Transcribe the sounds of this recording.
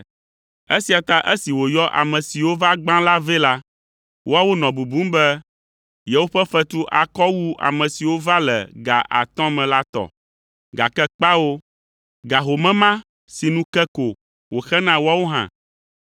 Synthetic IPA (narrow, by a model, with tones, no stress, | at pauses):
e˦si˨a˨t̪a˦ʔe˦si˨wo˨jɔ˦ʔa̰˨mɛ̃˨si˨wo˦va˦ɡ͡bã˦la˦ve˦la˦ | wʔo˦a˦wo˦nɔ̃˨bu˨bũ˦m˦bɛ˦ | je˨wo˦ɸɛ˦fɛ˦t̪u˦ʔa̰˨kɔ˦wu˦a̰˨mɛ̃˨si˨wo˦va˦lɛ̰˨ɡa˨ʔa̰˨t̪ɔ̃˦mɛ̃˨la˦t̪ɔ̰˨ | ɡa˨kɛ˦k͡pa˦wo˦ | ɡa˨ɦo˨mɛ̃˦mã˦ | si˨nũ˦kɛ˦ko˨ | wo˨xɛ˦nã˦wo˦a˦wo˦ɦã̰˦˨